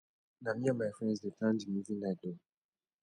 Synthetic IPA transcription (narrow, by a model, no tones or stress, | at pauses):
namĩamajfɾɛ̃nzdetʰãnd͡ʒimuvinado